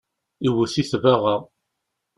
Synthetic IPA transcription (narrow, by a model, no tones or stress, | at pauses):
iwəsiθvaʁa